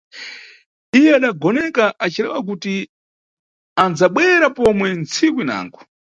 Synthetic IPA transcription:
ijɛaɗaɡɔnɛkaʔat͡ʃʰiɾɛ̰wak̬uti | and͡zaɓwɛɾapɔmwɛnt͡sʰikwina̰ːŋɡu

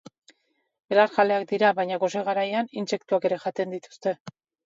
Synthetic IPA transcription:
elaɾʝale̞ak̚d̪iɾaβajɲaɣo̞se̞ɣaɾajaninse̞kt̪uake̞ɾe̞ʝat̪e̞nd̪it̪u̥st̪e̞

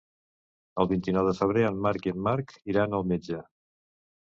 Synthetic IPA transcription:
əlˠβint̪inɔwðəfəβ̞ɾeənːaɾkiəmːaɾkiɾanəlˠmed͡ʒə

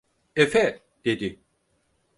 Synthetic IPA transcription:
efɛ | d̪̥ed̪i

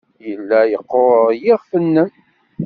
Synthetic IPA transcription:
jəlːæjəqːoɾjiʁfənːəm

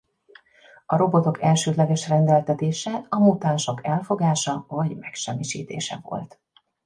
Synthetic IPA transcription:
ɒɾo̞bo̞t̪o̞kɛlʃøːd̪lɛɡɛʃrɛnd̪ɛlt̪ɛt̪eːʃɛɒmuːt̪aːnʃo̞kɛlfo̞ɡaːʃɒvɒɟmɛkʃɛmːiʃḭːt̪ḛːʃɛ̰vo̰lt̪

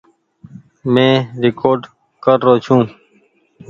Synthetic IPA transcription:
mẽːɾɪkoːɾɖ | kəɾːoːt͡ʃʰũː

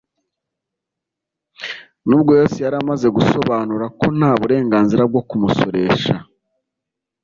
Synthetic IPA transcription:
nuːb̚ɡo̞jo̞ːsijaɾamaze̞ɡusoβaːnuɾako̞n̥haːβuɾe̞ːŋɡaːnziɾab̚ɡo̞kumuso̞̰ɾe̞ːʃa

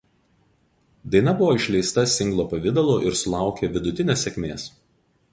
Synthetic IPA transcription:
d̪ɐɪnɐbʊʋoːɪʃʲlʲɛɪst̪ɐsʲɪŋɡlˠoːpɐʋʲɪd̪ɐlˠoʔɪɾsʊlˠɑˑʊkʲeʋʲɪd̪ʊt̪ʲɪnʲeːsʲɛkʲmʲeːs

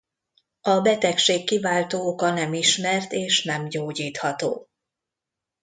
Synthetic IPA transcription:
ɒbɛt̪ɛkʃeːkːivaːlt̪oːokɒnɛmiʃmɛrt̪eːʃnɛmɟoːɟiːt̪hɒt̪o̰ː

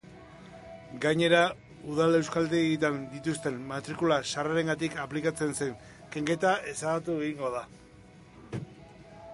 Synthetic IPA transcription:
ɡajɲe̞ɾa | uð̞ale̞wskald̪et̪and̪it̪ust̪e̞mːat̪ɾikulaʃaraɾe̞ŋɡat̪ikaplikat͡se̞nse̞ŋ | ke̞ŋɡe̞t̪ae̞saɣat̪ueɣiŋɡo̞ða

